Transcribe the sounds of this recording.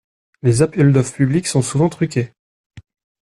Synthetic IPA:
lezapɛld̪ɔfpybliksɔ̃suvɑ̃t̪χykʲe

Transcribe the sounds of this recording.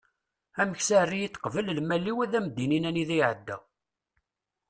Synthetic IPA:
æməçsærːijət͡sːqvəllmælːiwæðæmd̪ːininæniðiʕəd̪ːæ

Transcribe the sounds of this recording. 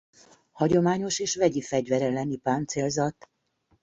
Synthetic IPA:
hɒɟo̞maːɲo̞ʃeːʃvɛɟifɛɟvɛɾɛlːɛnipaːnt̪seːlzɒt̪

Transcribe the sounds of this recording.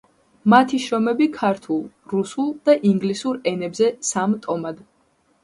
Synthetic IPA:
mat̪ʰiʃɾɔmɛbikʰaɾt̪ʰulˠ | ɾusulˠd̪̥aʔiŋɡlisuɾɛnɛbzɛsamt̪ʼɔmad̪

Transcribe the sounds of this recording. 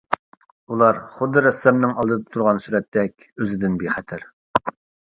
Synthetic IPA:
ulˠɑɾχʊd̪ːɨɾɛsːɛmnɪŋɑlˠd̪ɨd̪ɑt̪ʰuɾʁɑnsyɾɛt̪ʰːɛkʲ | øzɪd̪ɪnbeχɛt̪ʰæɾ

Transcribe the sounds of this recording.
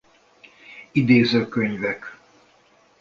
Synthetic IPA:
id̪eːzøːkøɲvɛk

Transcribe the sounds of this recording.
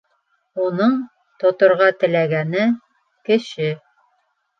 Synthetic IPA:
unɤɴ | t̪ŏt̪ŏɾʁɑt̪ɘ̆læɡænɘ | kɘ̆ɕɘ

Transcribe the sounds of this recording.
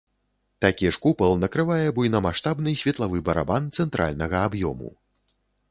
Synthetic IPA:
t̪akʲiʂkupɐlˠnɐkɾɨvajɛbujnɐmaʂt̪abnɨsʲvʲɛt̪lˠavɨbɐɾa̰bant̪sɛnt̪ɾʔa̰lʲnɐɣɐːbjɔ̰mṵ

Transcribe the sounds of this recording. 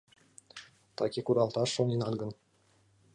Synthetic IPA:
t̪ɑkʲikuɾɑlˠt̪ɑʂːoninɑd̪ɡɤ̆n

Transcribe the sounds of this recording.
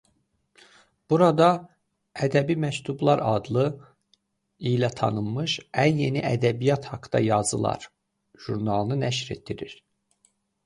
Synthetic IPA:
b̥uɾɑd̪ɑ | æd̪æbimæct̪ʰublˠɑɾɑd̪lˠɯ | ilæt̪ʰɑ̰nɯmmɯʃænje̞niʔæd̪æbijɑt̪hɑkt̪ɑ̰jɑzɯ̰lˠɑ̰ɾ | ʒ̥uɾnɑlˠnɯnæʃɾe̞̰t̪̚ːiɾiɾ̥

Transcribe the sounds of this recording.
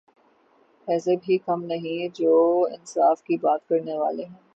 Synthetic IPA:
ɛːsebʱikɐmnɐɦĩd͡ʒoːɪ̰nsaːfkibaːt̪kɐɾneʋa̰ːleɦɛ̃ː

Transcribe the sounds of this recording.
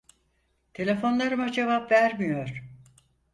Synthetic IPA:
t̪ʰe̞lʲe̞fo̞nlˠaɾɯmad͡ʒe̞vapvæɾmijo̞ɾ̥

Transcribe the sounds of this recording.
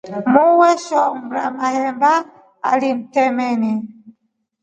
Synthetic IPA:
muwɛʃɔmɾa̰mahɛmba | a̰lim̩tɛmɛni

